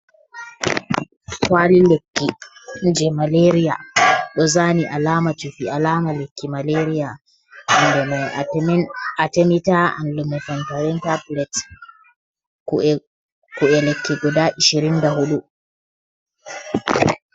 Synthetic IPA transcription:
kalilekːind͡ʒɛmaleɾija̰ɗɔzaniʔalaːmatufiʔalaːmalekːimaleɾija | ndɛma | atɛmitaa̰nlumɛfantaɾɛntablɛt | kuɛlekʰːiɡɔdaːʔiʃiɾindahuɗu

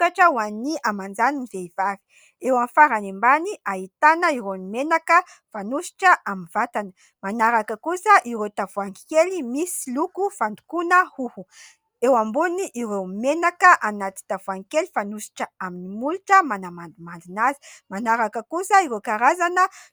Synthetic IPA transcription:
kaʈ͡ʂəwaniamand͡zaninizeiv̥avi̥ | ewamfaɾanembaniʔaɦit̪anəiɾenimenakə | fanusi̥ʈ͡ʂəʔaminvat̪anə | manaɾakəkusəʔiɾet̪avuaŋikelimisilukufand̪u̥kunəhuhu | ewambuniʔiɾewmenakəʔanat̪i̥t̪avuaŋikelifanusi̥ʈ͡ʂəaminimuluʈ͡ʂəmanamand̪umand̪inazi̥manaɾakəkusəiɾewkaɾazanə

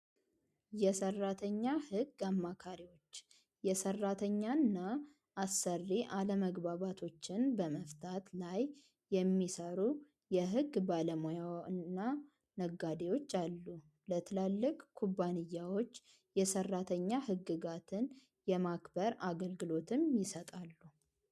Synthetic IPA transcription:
jɛsərːat̪ʰəɲːahɨɡamːakʰaɾiwo̞t͡ʃː | jɛsərːat̪ʰəɲːanːaː | sːərːiʔaləməɡbaβat̪ʰo̞t͡ʃːɪnbəməft̪ʰat̪laj | jɛmːisəɾu | jɛɦɨɡbaləmojawɨnnːa | nəɡːad̪ewo̞t͡ʃːalːu | lət̪ʰɨlalːɨkʼkʰubːanɨjːawo̞t͡ʃː | jɛsərːat̪ʰəɲːahɨɡːɨɡat̪ʰɨn | jɛmakbəɾaɡəlɡɨlo̞t̪ʰɨmjɪsət̪ʼalːu

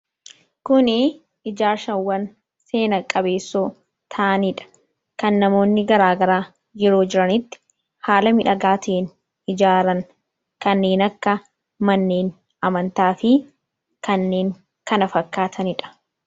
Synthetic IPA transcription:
kʊnɪ | ɪd͡ʒaːɾʃɐnwɐn | se̞ːnɐkʼːɐbe̞ːsːoː | t̪ʰɐʔɐnɪᶑɐ̥ | kɐnːɐmo̞ːnːɪɡɐɾaːɡɐɾaː | d͡ʒɪɾo̞ːd͡ʒɪɾɐnɪt̪ːɪ̥ | haːlɐmɪᶑɐɡaːt̪ʊʔen | ɪd͡ʒaːɾɐŋ | kɐnːe̞ːnɐkːɐ | mɐnːe̞ːn | ɐmɐnt̪aːfɪ | kɐnːe̞ːŋ | kɐnɐfɐkːaːt̪ʰɐnɪᶑɐ̥

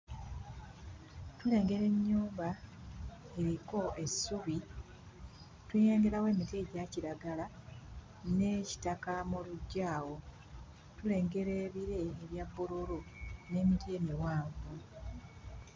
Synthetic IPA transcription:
tule̞ːŋɡe̞ɾe̞ɲːuːmba | e̞ɾiko̞ʔe̞suβi | twejeːŋɡe̞ɾawe̞ːmiteɟaciɾaɡala | ne̞ci̥takamuluɟːaːwo̞ | tule̞ːŋɡe̞ɾe̞βiɾe̞ːβjabːululune̞ːmiteːmiwaːɱvu

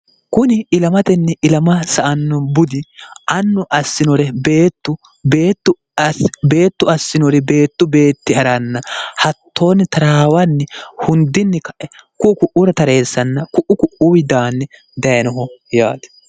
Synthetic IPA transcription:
kʊnɪɪlɐmɐt̪ɛnːɛɪlɐmɐsɐʔɐnːɔbʊd̪ɪʔɐnːʊʔɐsːɪnɔɾɛbeːt̪ːʊ | beːt̪ːʊ | be̞ːt̪ːʊɐsːɪnɔɾɛbe̞ːt̪ːʊbe̞ːt̪ːɪɐɾanːɐhɐt̪ːo̞ːnɪt̪ɐɾaːwɐnːɛhʊnd̪ɪnːɛkɐʔɛkʊʔːkʊʔʊɾɐt̪ɐɾe̞ːsːɐnːɐkʊʔʊkʊʔʊwɪd̪aːnːɛ | d̪ɐjɐnɔɦɔjaːd̪ɛ̥

